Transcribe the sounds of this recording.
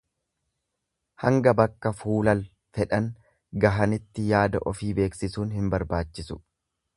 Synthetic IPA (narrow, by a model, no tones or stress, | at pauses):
hɐŋɡɐbɐkːɐfuːlɐl | fɛᶑɐŋ | ɡɐɦɐnɪt̪ːɪjaːd̪ɐ̰ʔɔfiːbe̞ːksɪsuːnhɪmbɐɾbaːt͡ʃːɪsʊ̥